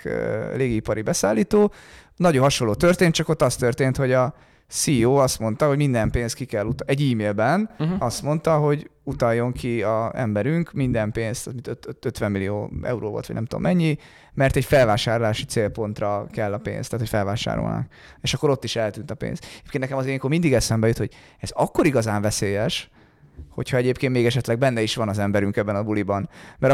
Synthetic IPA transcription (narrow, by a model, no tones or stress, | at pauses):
leːɡiipɒɾibɛsaːlːiːt̪oː | nɒɟoɦɒʃolːoːt̪ørt̪eːn̚t͡ʃɒko̞t̪ːɒst̪ørt̪eːnt̪ho̞ɟɒ | sioːɒst̪mo̞nt̪ɒɦoɟmind̪ɛmpeːnst̪kikɛlːut̪ɛɟiːmeːlbɛnɒst̪mo̞nt̪ɒɦo̞ɟut̪ɒjːo̞ŋkʰiɒɛ̰mbɛɾyŋkmind̪ɛmpeːnst̪zmint̪øt̪øt̪ʋɛmːilio̰ːɛ̰uɾoːvo̰lt̪ʋɒ̰ɟnɛmt̪uo̰mːʔɛɲːi | mɛrt̪ɛcfɛlvaːʃaːɾlaːʃit̪seːlpo̞nt̪rɒkɛlːɒpḛːnst̪aːt̪ho̞cʲfɛlvaːʃa̰ːɾo̰lna̰k | eʃɒkːo̞ɾo̞t̪ːiʃɛlt̪yːnt̪ɒpḛːnst̪ɟeːpkennɛkɛmɒzeikomind̪iɡɛsɛmbɛjøt̪ho̞̰ɟ | ɛzɒkːo̞ɾiɡɒzaːɱvɛseːjɛʃ | ho̞̰chɒɛɟeːpkeːnmeːɡɛʃɛt̪lɛɡ̚bɛnːɛiʃʋɒnɒzɛmbɛɾyŋkɛbːɛnɒbulibɒnmɛɾ